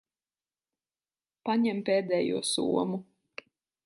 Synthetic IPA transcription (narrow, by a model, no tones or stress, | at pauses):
paɲɛmpʲeːd̪ɛːjuɔsṵɔmu